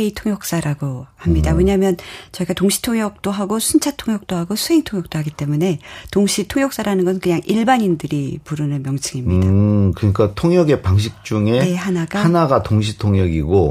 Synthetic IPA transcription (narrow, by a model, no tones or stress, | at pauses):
eitʰoŋjʌk̚s͈aɾaɡohamɲidaweɲamjʌnt͡ɕʌiɡatoŋɕʰi̥tʰoŋjʌk̚t͈oɦaɡosʰunt͡ɕʰatʰoŋjʌk̚t͈oɦaɡosʰuɦe̞ŋtʰoŋjʌk̚t͈oɦaɡit͈e̞mune̞toŋɕʰitʰoŋjʌk̚s͈aɾanɯnɡʌsʰɯnkɯɲaŋʔiɭbaɲindɯɾipuɾɯnɯnmjʌŋt͡ɕʰɯŋimiakɯɲik͈atʰoŋjʌɡe̞paŋɕ̬ʰik̚t͡ɕ͈uŋe̞ehanaɡahanaɡatoŋɕʰitʰoŋjʌɡiɡo